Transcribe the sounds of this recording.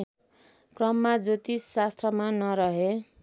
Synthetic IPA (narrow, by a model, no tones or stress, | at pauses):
krʌmːad͡zot̪isːast̪ʰrʌmanʌɾʌɦe